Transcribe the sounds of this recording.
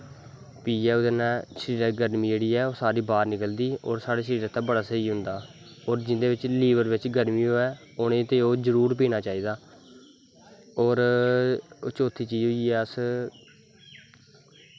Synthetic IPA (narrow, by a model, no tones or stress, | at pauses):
piːɛːʊd̪ənɛːʃɾiːɾɡəɾmiːd͡ʒeːɽiːɛːoːsaːɾiːbaːɾnɪkəld̪iːo̰ːɾsaːɽeːʃəɾiːɾət̪ːãːbəɽaːsəiːɦʊnd̪aː | oːɾd͡ʒɪnd̪eːʋɪt͡ʃliːʋəɾʋɪt͡ʃɡəɾmiːoːɛː | oːnẽːt̪eːoːzəɾuːɾp̬iːnaːt͡ʃaːiːd̪aː | oːɾ | oːt͡ʃoːt̪ʰiːt͡ʃiːd͡ʒɦoːiːɛːəs